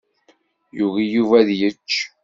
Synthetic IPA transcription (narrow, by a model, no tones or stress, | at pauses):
juvijuvæðjət͡ʃː